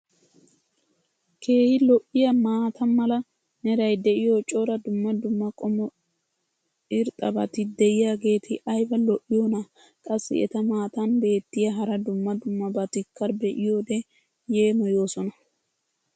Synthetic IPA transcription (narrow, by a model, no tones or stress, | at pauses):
kʰe̞ːhɪlɔʔːɪjɐmaːt̪ɐnmɐlɐ | nɛɾɐjd̪ɛʔɪjoːt͡ʃʼoɾɐd̪ʊmːɐd̪ʊmːɐkʼɔmɔ | ɪɾt̪ʼɐbɐt̪ɪd̪ɛʔɪjaːɡe̞ːt̪ʰɪʔɐjbɐlɔʔːɪjoːnɐ | kʼɐsːɪ̰ɛ̰t̪ɐmaːt̪ɐnbe̞ːt̪ːɪjɐɦɐɾɐd̪ʊmːɐd̪ʊmːɐbɐt̪ɪkːɐɾbɛʔɪjoːd̪ɛ | je̞ːmɔjo̞ːsɔnɐ